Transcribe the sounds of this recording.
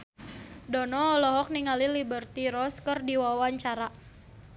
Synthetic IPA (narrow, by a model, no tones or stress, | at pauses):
dɔnɔːlɔɦɔk̚niŋalilibərt̪iɾɔskərdiwawaɲt͡ʃaɾa